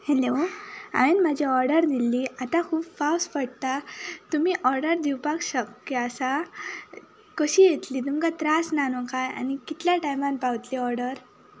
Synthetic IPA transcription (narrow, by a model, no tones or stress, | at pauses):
heloa̰ʋenmad͡ʑʱiɔɾɖəɾd̪ilːiːat̪ãkʰuːbfawsfəɽt̪at̪umiːʔɔɾɖəɾd̪iwpakɕəkːeasa | kəɕiːjet̪liːt̪umkat̪ɾasnanɔkʰaja̰nikit̪ljaʈajmãnpawt̪liɔɾɖəɾ